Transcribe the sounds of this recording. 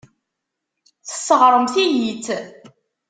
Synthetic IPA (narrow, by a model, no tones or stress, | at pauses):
θə̥sːəʁɾˤəmθijit͡sː